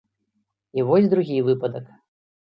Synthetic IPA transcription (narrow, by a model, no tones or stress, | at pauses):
ivɔlʲd̪ɾuɣʲijvɨpɐd̪ɐk